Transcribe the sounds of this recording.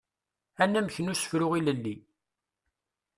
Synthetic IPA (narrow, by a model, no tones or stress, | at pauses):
ænːæməçənʊsə̥fɾʊʁiləlːi